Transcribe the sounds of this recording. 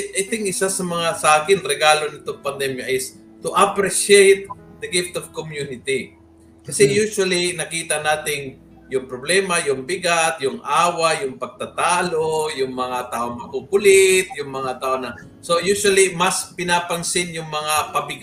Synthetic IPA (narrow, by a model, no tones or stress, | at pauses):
ʔajt̪ɪŋkɪsasɐmɐŋasɐʔaːkɪnɾɛɡaːlonɪt̪oŋpɐnd̪ɛmjɐʔɪs | t̪ʊʔapɾɪʃejt̪̚d̪ɐɡɪft̪ɔvkomjunɪt̪i | kɐsɛjuswɐlinɐkiːt̪ɐnaːt̪ɪŋ | jʊŋpɾoblɛːmɐjʊŋbɪɡat̪jʊŋʔaːwajʊŋpɐɡ̚t̪at̪aːlojʊŋmɐŋat̪aːʔoŋmɐkukʊlɪt̪̚jʊŋmɐŋat̪aːʔonɐ | sojusɐlimɐspɪnapɐŋsɪnjʊŋmɐŋapɐbɪɡ